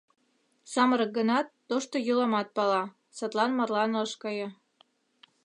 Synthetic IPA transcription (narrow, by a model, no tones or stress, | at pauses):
sɑməɾɤ̆k̚ɡənɑt̪ːoʃt̪ojolˠɑmɑt̪̚pɑlɑ | sɑt̪lɑnmɑrlɑnɑʃkɑjɤ̆